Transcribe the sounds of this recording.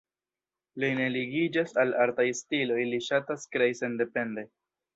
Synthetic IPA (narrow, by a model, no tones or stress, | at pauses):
line̞liɡid͡ʒasalaɾtajstilo̞jliʃataskɾejse̞nde̞pe̞nde̞